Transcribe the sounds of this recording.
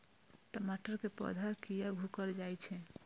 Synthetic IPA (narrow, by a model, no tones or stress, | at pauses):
ʈomaʈəɾkepɔ̰d̪ʱakijaɡʱukəɾd͡ʒajt͡ʃʰɛ